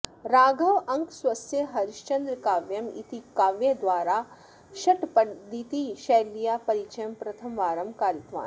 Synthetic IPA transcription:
ɾaːɡɐʋɐ̃ŋkswɐsjeɦɐɾiʃt͡ʃɐnd̪ɾkaːʋjɐmḭt̪ikaːʋjed̪ʋaːɾa | ʃɐʈpɐd̪it̪iʃɛːlijapɐɾit͡ʃʰɐjɐmpɾɐt̪ʰɐmʋaːɾɐmbʱkaːɾit̪ʋa̰ːn

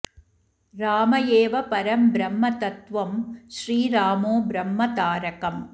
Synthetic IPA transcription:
ɾaːmɐjeːʋɐpɐɾɐmbɾɐmːɐt̪ɐt̪ʋɐmʃɾiːɾaːmoːbɾɐmːɐt̪aːɾɐkɐm

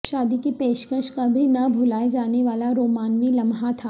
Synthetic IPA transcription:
ʃaːd̪ikipeːʃkəʃkabʱinɐbʱʊlaːed͡ʒaːneʋaːlaɾoːmaːnʋilɐmɦat̪ʰaː

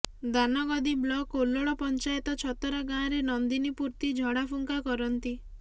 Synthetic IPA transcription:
d̪anɔɡɔd̪iblɔkoloɭɔpɔnt͡ʃajet̪ɔt͡ʃʰɔt̪ɔɾaɡãɾenɔnd̪inipuɾt̪id͡ʒʱɔɽapʰuŋkakɔɾɔnt̪i

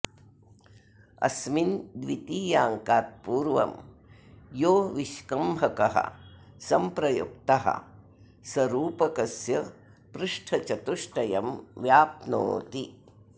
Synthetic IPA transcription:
ɐ̰smind̪ʋit̪iːjaːŋkaːt̪̚puːɾʋɐ̰m | joːʋiʃkɐmɐkɐɦɐ̰ | sɐmpɾɐjṵk̚t̪ɐɦɐ̰ | sɐɾuːpɐkɐsjɐ | pɾuʂʈʰɐt͡ʃɐt̪uʂʈɐjɐmʋjaːpno̰ːt̪i

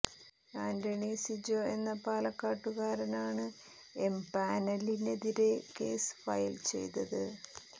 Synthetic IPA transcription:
kaːndɐɳisid͡ʑoe̞nːɐpaːlɐkːaːʈːuɣaːɾɐnaːɳɨ | empaːnɐline̞ðiɾe̞ke̞̰ːsfɐ̰jlt͡ɕe̞̰jt̪ɐðɨ

